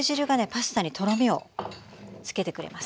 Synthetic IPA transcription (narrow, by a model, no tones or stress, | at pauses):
ʑiɾɯ̟ɡane̞pasɨ̥t̪aɲ̟it̪o̞ɾo̞mʲio̞ | t͡sɨ̥ke̞t̪e̞kɯ̟ɾḛmas